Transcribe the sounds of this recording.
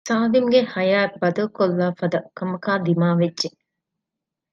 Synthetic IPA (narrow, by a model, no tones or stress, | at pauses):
saːlimɡehɐjaːbɐd̪ɐkolːaːfɐd̪ɐkɐmɐkaːd̪imaːʋedʒe